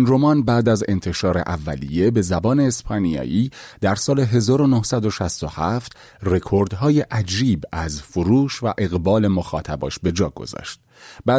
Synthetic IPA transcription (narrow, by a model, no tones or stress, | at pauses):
inro̞mɒnbæːd̪æze̞̰nt̪ʰe̞ʃɒːɾe̞̰ʔævːælḭje̞be̞zæbɒːne̞ːspʰɒnijɒ̰ːʔiːd̪̥æɾsɒːleɦe̞zɒːɾo̞nohsæd̪o̞ʃæst̪ohæft̪ | re̞kʰoɾd̪ɦɒːjeʔæd͡ʒiːbæzfoɾuːʃvæʔe̞ɣbɒːle̞moxɒ̰ːt̪ʰæbɒːʃbe̞d͡ʒɒːɡ̥o̞̰zɒ̰ʃt̪̚ | bæ